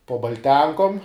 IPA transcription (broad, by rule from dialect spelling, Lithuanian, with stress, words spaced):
poː bɐlʲˈtʲɛŋkoːm